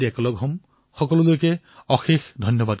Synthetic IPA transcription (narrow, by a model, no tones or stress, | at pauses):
iɛkɔlɔɡʱɦɔm | xɔkɔlɔlojkɛ | ɔxexdʱɔnjɔbad̚